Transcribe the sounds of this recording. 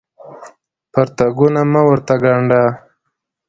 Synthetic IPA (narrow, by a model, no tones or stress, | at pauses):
paɾt̪aɡunamawəɾt̪aɡaɳɖa